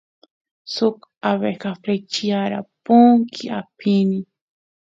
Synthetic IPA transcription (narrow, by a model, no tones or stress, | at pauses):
sokaβekafɾet͡ʃiaɾa̰poŋkʰiʔapʰini